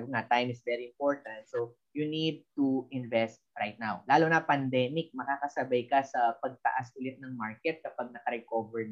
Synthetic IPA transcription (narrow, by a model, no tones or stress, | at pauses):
bŋat̪ajmɪsvɛɾiɪmpoɹt̪ɐnt̪̚so | junid̪̚t̪uʔɪ̃nvɛst̪̚ɹajt̪̚nawlaːlʊnɐpɐnd̪ɛmɪk̚mɐkaːkɐsɐbɐjkɐsɐpɐɡ̚t̪ɐ̰ʔasʔʊlɪt̪̚nɐŋmaɹkɛt̪̚kɐpɐɡ̚nɐkɐɾɛkovɛɹ